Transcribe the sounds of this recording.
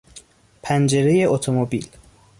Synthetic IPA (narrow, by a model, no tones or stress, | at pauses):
pʰænd͡ʒe̞ɾeje̞ʔot̪ʰomobḭːl